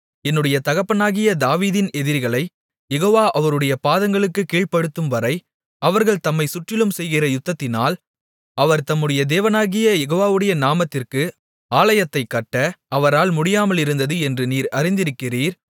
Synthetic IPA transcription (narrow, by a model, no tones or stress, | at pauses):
ɛnːɯɽɐjɐt̪ɐɣɐpːɐnaːɣɪjɐd̪aːʋiːðɪnɛðɪɾɣɐɭɐɪ | jɛɣoːʋaːʔɐʋɐɾɯɽɐjɐpaːðɐŋɡɐɭɯkːɯkiːɭpɐɽɯt̪ːɯmʋɐɾɐɪ | ɐʋɐɾɣɐɭt̪ɐmːɐɪsʊʈrɪlɯmsɛjɣɪrɐjʊt̪ːɐt̪ːɪnaːl | ʔɐʋɐɾt̪ɐmːɯɽɐjɐd̪eːʋɐnaːɣɪjɐjɛɣoːʋaːʋɯɽɐjɐnaːmɐt̪ːɪrkɯ | aːlɐjɐt̪ːɐɪkːɐʈːɐɐʋɐɾaːlmʊɽɪjaːmɐlɪɾɯnd̪ɐðɯɛndrɯniːɾɐrɪnd̪ɪɾɯkːɪriːɾ